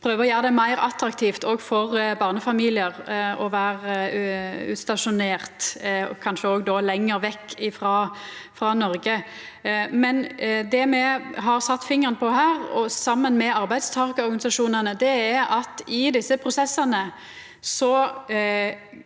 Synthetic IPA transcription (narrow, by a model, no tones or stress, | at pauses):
pʰɾøːʋəʁɔjæːəd̪ɛmæɪɾɑt̪ɾɑk̚t̪ʰiːft̪ɔɡfɔɾbɑːʁnəfɑmiːlɪəɾɔʋæːɾ | ʉ̰ːt̪st̪ɑʂʊneːʁt̪kʰɑnʃəɔːɡd̪ɔlɛŋːəɾʋɛkːɪfɾɑːfʁɑːnɔɾɡə | mɛnd̪ɛmɛɦɑʁsɑt̪ːfɪŋəʁənəpʰɔɦæːɾɔ̰sɑmːənmɛɑʁbæɪd̪st̪ʰɑːʁkəɔʁɡɑnɪsɑʂuːnənəd̪ɛæɾɑt̪ɪd̪ɪsːəpʰɾʊsɛsːɑnə | sɔ